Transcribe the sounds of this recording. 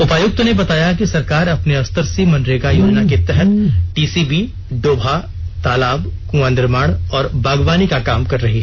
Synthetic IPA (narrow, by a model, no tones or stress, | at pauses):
ʊpaːjʊk̚t̪nebɐt̪aːjak̬isɐɾkaːɾɐpneɐst̪əɾsimɐ̃nɖɾekajoːd͡ʒnaket̪ɛɦɛt̪ʈiːsiːbiː | ɖoːbʱa | t̪aːlaːbkũːãːnd̪ɪɾmaːɽ̃ɔːɾbʱaːɡʋaːnikakaːmkɐɾɾɐɦiɦɛ